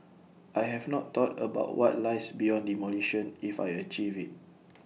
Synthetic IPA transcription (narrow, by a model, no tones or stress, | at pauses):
ʔajɦɛvnɔtʰːɔtəbaʊtwʔɔ̰t̚lajsbijɔ̃ndimɔliʃɔ̃nifa̰jət͡ʃivit̚